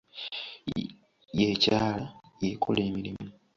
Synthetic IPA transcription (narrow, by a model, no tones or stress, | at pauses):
jecaːlajekʰo̞̰le̞ːmiɾimu